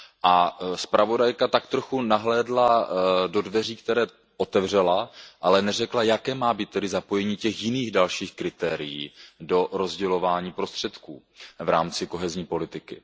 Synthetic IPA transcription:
ʔaspɾʔavo̞dajkat̪akt̪ɾo̞xunaɦlɛːdlado̞dvɛriːkt̪ɛɾɛː | ʔo̞t̪ɛvr̝ɛlaʔalɛnɛrɛklajakɛːmaːbiːt̪ːɛdɪzapo̞jɛɲiːcɛxjɪniːɣdalʃiːxkɾɪt̪ɛːɾɪjiːdo̞ɾo̞zɟɛlo̞vaːɲiːpɾo̞st̪r̥ɛt̪kuː | vɾa̰ːmt͡sɪko̞ɦɛzɲiːpo̞lɪt̪ɪkɪ

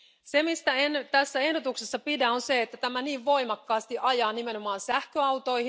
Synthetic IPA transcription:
se̞mist̪æent̪æsːæe̞hdot̪uksesːɑpidæonse̞et̪ːæt̪æmæniːʋʋo̞jmɑkːɑːst̪iʔɑjɑːnime̞no̞mɑːnsæhkøɑwt̪o̞jh

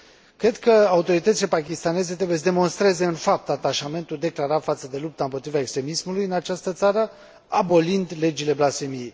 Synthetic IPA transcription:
kɾe̞d̪kəaut̪o̞ɾit̪ət̪sile̞pakʲist̪ane̞ze̞t̪ɾebujes̬d̪e̞mo̞nst̪ɾe̞ze̞ɨnfap̚t̪at̪aʃame̞nt̪uld̪e̞klaɾafat̪səd̪e̞lup̚t̪aɨmpot̪ɾivae̞kst̪ɾe̞mismulujɨnat͡ʃast̪ət̪saɾə | abo̞lind̪le̞d͡ʒile̞blasemiej

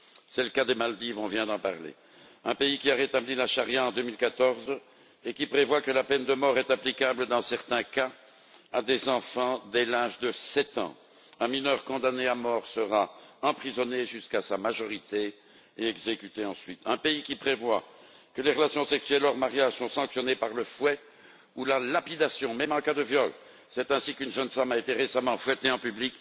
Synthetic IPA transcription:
sɛləkad̪emald̪ivɔ̃vjɛ̃d̪ɑ̃paʁlḛ | ɛ̃peikʲiaʁet̪ablilaʃaʁjaɑ̃d̪ømilkat̪ɔʁz | ekʲipχevwakəlapɛnd̪əmɔʁɛt̪aplikabləd̪ɑ̃sɛʁt̪ɛ̃ka | ad̪ezɑ̃fɑ̃d̪ɛlaʒd̪əsɛt̪ɑ̰̃ | ɛ̃minœʁkɔ̃d̪aneamɔʁsəʁaɑ̃pχizɔneʒyskasamaʒɔʁit̪eː | ɛɡzekyt̪eɑ̃sɥit̪ʰɛ̃peikʲipχevwa | kəleʁəlasjɔ̃sɛksyɥɛlɔʁmaʁjaʒsɔ̃sɑ̃ksjɔnepaʁləfwɛ | ulalapid̪asjɔ̃mɛmɑ̃kad̪əvjɔl | sɛt̪ɛ̃sikynʒənfamaet̪eʁesamɑ̃fwɛt̪eɑ̃pyblik

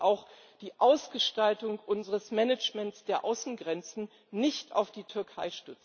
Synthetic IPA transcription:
ʔaʊx | d̥iːʔaʊsɡ̥əʃtaltʊŋʔʊnzəʁəsmɛnət͡ʃmɛntsd̥eːɐʔaʊsn̩ɡʁɛnt͡sn̩ | nɪçtʰa̰ʊfd̥iːtʰʏɐkʰaɪʃtʏt͡s̩

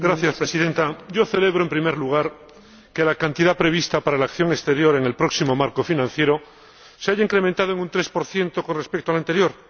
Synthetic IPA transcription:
ɡɾaθjaspɾesiðe̞nt̪aʝo̞θe̞le̞β̞ɾoempɾime̞ɾluɣ̞aɾ | ke̞lakant̪iðapɾe̞β̞ist̪apaɾalakθjo̞ŋest̪e̞ɾjo̞ɾe̞ŋe̞lpɾo̞ksimo̞maɾko̞finãn̟θje̞ɾo̞ | seaʝaiŋkɾe̞mẽnt̪að̞oeŋunt̪ɾe̞spo̞ɾθje̞nt̪o̞ko̞nre̞spek̚t̪oalant̪e̞ɾjo̞ɾ

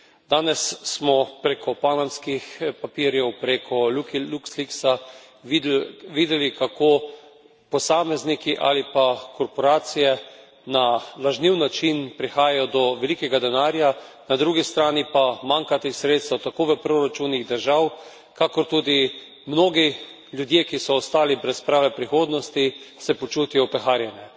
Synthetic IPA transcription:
d̪̥aːnɛssmɔpɾekʰɔpanamskixpapiːɾjɛwpɾekʰɔlukluksliksa | iʋiːd̪ɛlikakoː | pɔsaːmɛznikiʔa̰lipakɔɾpɔɾaːt̪sijɛ | nalaʒniwnat͡ʃinpɾixaːjajɔd̪ɔʋɛlikɛɡad̪ɛnaːɾja | nad̪ɾuɡist̪ɾaːnipamaŋkat̪ixsɾeːt̪st̪awt̪akoːʋəpɾoɾat͡ʃuniɣd̪əɾʒaw | kakɔɾt̪uːd̪i | mnoːɡi | ljud̪jekisɔːst̪aːlibɾɛspɾaːʋɛpɾixoːd̪nɔst̪isɛpɔt͡ʃuːt̪ijɔpɾɛxaːɾjɛnjɛ

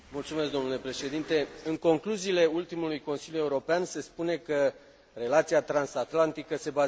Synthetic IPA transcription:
mult̪sumeskd̪o̞mnule̞pɾe̞ʃe̞d̪int̪e̞ɨŋko̞ŋkluziːle̞ult̪imulujko̞nsiljujeuɾo̞peanse̞spune̞kə | re̞lat̪siat̪ɾansat̪lant̪ikəse̞ba

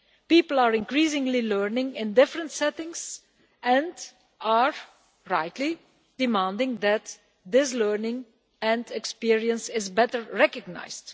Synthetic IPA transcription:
piːpl̩ˠaɹɪ̃nkɹiːsɪ̃ŋlilɜɹnɪ̃ŋɪ̃ndɪfɹə̃ntsɛtɪ̃ŋs | ɛ̃nd | aɹ | ɹaɪtli | d̥ɪmãndɪ̃ŋðæt | d̪ɪs̬lɜɹnɪ̃ŋ | ɛ̃ndɛkspiɹiə̃nsɪzbɛtəɹɹɛkəɡ̚na̰ɪzd

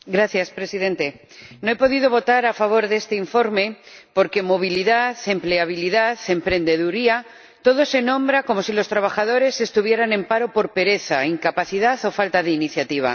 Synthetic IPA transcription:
ɡɾaθjaspɾe̞sið̞e̞nt̪e̞ | no̞epo̞ð̞iðo̞β̞o̞t̪aɾafaβ̞o̞ɾðe̞st̪e̞iɱfo̞ɾme̞po̞ɾke̞mo̞β̞iliðaθe̞mple̞aβ̞iliðaθe̞mpɾẽ̞nd̪e̞ðuɾia | t̪o̞ð̞o̞se̞nõ̞mbɾako̞mo̞silo̞st̪ɾaβ̞axað̞o̞ɾe̞sest̪uβ̞je̞ɾanẽ̞mpaɾo̞po̞ɾpe̞ɾe̞θaiŋkapaθiðaθo̞falt̪aðe̞iniθjat̪iβ̞a̰

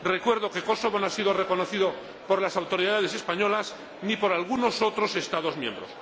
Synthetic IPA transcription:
re̞kwe̞ɾðo̞ke̞ko̞soβonoasiðore̞ko̞noθiðo | po̞ɾlasawt̪o̞ɾiðað̞ese̞spaɲo̞las | nipo̞ɾalɣuno̞so̞t̪ɾo̞se̞st̪aðo̞zmjẽ̞̰mbɾos

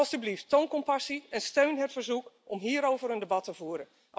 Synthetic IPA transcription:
lˠsdybliftːownkɔmpɑsiɛnstøɥnɦətfərzukɔmɦiːɾowvəɾəndebɑtəvuːɾən

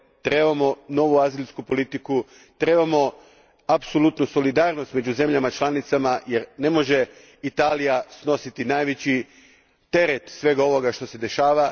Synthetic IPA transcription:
t̪ɾe̞bamo̞no̞ʋuazilʲskupo̞lit̪iku | t̪ɾe̞ːbamo̞ | apsolut̪nuso̞lid̪aːɾno̞st̪me̞d͡ʑuze̞mʎamat͡ʃlˠanit̪samaje̞ɾne̞mo̞ʒe̞ | it̪aːlijasno̞sit̪inaːjʋet͡ɕi | t̪e̞ɾet̪sʋe̞ːɡao̞ʋo̞ɡaʃt̪o̞se̞d̪e̞ʃaːʋa

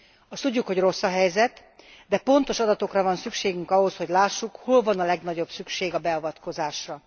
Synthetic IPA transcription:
ɒst̪uɟːukho̞ɟro̞sːɒɦɛjzɛt̪ | d̪ɛpo̞nt̪o̞ʃɒd̪ɒt̪o̞krɒvɒnsykʃeːɡyŋkɒɦo̞sho̞ɟlaːʃːukho̞lvɒnɒlɛɡnɒɟo̞bsykʃeːɡɒbɛɒvɒt̪ko̞zaːʃrɒ

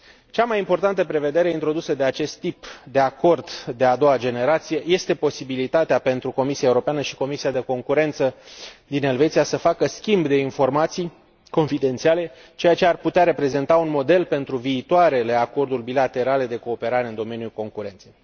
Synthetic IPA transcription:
t͡ʃamajimpo̞rt̪ant̪əpɾe̞ve̞d̪e̞ɾeint̪ɾo̞d̪usəd̪e̞at͡ʃe̞st̪ːipd̪e̞ako̞rd̪d̪e̞ad̪o̞wad͡ʒe̞ne̞ɾat̪sije̞je̞st̪e̞po̞sibilit̪at̪eape̞nt̪ɾuko̞misiaeuɾo̞peanəʃi̥ko̞misiad̪e̞ko̞ŋkuɾe̞nt̪səd̪ine̞lvet̪sijasəfakəskʲimbd̪e̞info̞rmat̪sij | ko̞nfid̪e̞nt̪siale̞ | t͡ʃe̞jat͡ʃearput̪eaɾe̞pɾe̞ze̞nt̪aunmo̞d̪e̞lpe̞nt̪ɾuviːt̪oaɾe̞le̞ako̞rd̪ulʲbilat̪e̞ɾale̞d̪e̞ko̞ːpe̞ɾaɾe̞ɨnd̪o̞me̞nijulko̞ŋkuɾe̞nt̪se̞j

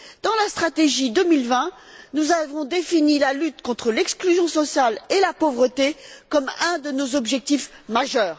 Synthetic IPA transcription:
d̪̥ɑ̃last̪χat̪eʒid̪əmilvɛ̃ | nuzavɔ̃d̪efinilalyt̪kɔ̃t̪χəlɛksklyzjɔ̃sɔsjalelapovʁət̪ekɔmɛ̃d̪ənozɔbʒɛk̚t̪ifmaʒœːʁ

